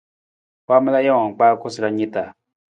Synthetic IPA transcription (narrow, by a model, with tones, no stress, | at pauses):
ka˦mɛ˦la˦ja˦ã˨ŋ˨k͡paː˦ko˦si˨ɾa˦ɲĩ˦ta˨